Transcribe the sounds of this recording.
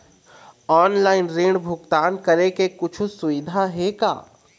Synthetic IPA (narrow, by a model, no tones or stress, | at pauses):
ɔːnlaːɪnɾeːɳ̃bʱʊɡt̪aːnkɐɾekekʊt͡ʃʰusʊʋɪd̪ʱaɦeka̰ː